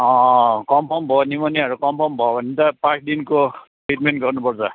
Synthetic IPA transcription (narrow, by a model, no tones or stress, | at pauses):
ɔ̃kɔmpʰɔmbʱɔnimɔniaɹukɔmpʰɔmbʱɔanitapãsʰdinkotɹit̚mɛnɡɔɹnɔpɔɹza